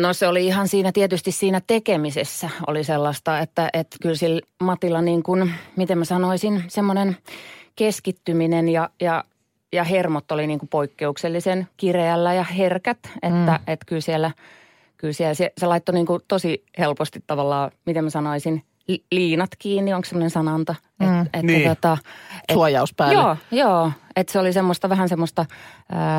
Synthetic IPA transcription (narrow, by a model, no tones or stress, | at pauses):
noseoliihɑnsiːnæt̪iet̪yst̪issiːnæt̪ekemisesːæo̰liselːɑst̪ɑet̪ːæʔet̪kylsilmɑt̪ilɑniːŋkunmit̪emæsɑnoisinsemːonenkeskit̪ːyminenjɑjɑ | jɑhermot̪ːoliniːŋkupoikːeukselːisenkireælːæjɑherkæt̪et̪ːæʔet̪kylsielːˑæ | kylsielsieselɑit̪ːoniːŋkut̪osihelpost̪it̪tɑʋɑlːɑːmit̪emæsɑnoisin | lliːnɑt̪kiːnːioŋksemːonensɑnɑnt̪ɑ | et̪enːæt̪ot̪ɑesuɑjɑuspæjoːjoːet̪seolisemːost̪ɑʋæhænsemːost̪ɑəː